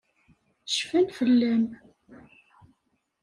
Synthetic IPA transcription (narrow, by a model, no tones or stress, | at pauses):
ə̥ʃfænfəlːæm